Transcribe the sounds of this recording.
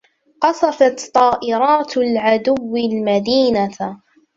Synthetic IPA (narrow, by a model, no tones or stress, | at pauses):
qɑsˤɑfɑt̪t̪ˤːɑːʔɪɾɑːt̪lʕad̪ʊwːɪlmad̪iːna